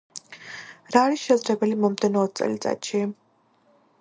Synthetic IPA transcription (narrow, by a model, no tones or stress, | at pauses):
ɾaːɾisʃɛzɾɛbɛlimɔmd̪ɛnɔːt̪̚t̪sʼɛ̰lit̪sʼa̰t̪ʃi